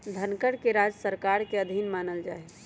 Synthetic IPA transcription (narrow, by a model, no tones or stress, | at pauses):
d̪ʱənkəɽkeɾad͡ʒsəɾkaɾkeəd̪ʱinmaːnəld͡ʒa̰ːe